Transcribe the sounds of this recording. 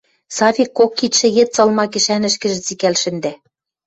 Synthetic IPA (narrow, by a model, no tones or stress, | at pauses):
sɑfikːokːit̪ʃɘ̆jĕt̪t͡sɤ̆lmɑkɘ̆ʃænɘ̆ʃkɘ̆ʒɘ̆t͡sikælʃɘ̆nd̪æ